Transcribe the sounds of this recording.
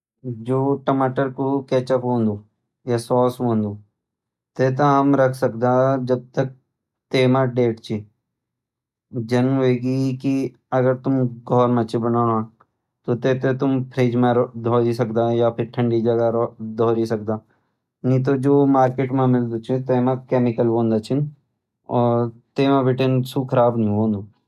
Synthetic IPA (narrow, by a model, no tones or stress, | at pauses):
d͡ʒoːʈɐmaːʈəɾkokɛːt͡ʃəpɦõːnd̪uː | jasɔːsɦõːnd̪u | t̪eːt̪̬ãɦɐmɾɐkʰsɐk̚d̪ad͡ʒɐb̚t̪ək̚ | t̪eːmãɖeːʈt͡ʃʰi | d͡ʒɐnɦeɡiki | ɐɡəɾt̪ʊmɡʱɔːɾmẽt͡ʃibɐnaːɾɦã | t̪ot̪eːt̪et̪ʊmpʰɾeːd͡ʒmẽɾd̪ʱɔːɾisɐkd̪aːjapʰɪɾʈʰɐ̃ɳɖid͡ʒɐɡaɾd̪ʱɔːɾisɐk̚d̪aː | nĩt̪̬od͡ʒoːmaːɾkeːʈmãmɪld̪ut͡ʃʰit̪eːmãkeːmɪkəlbõːnd̪at͡ʃʰin | ɔːɾt̪eːmãbɪʈensukʰɐɾaːbnĩɦõːnd̪u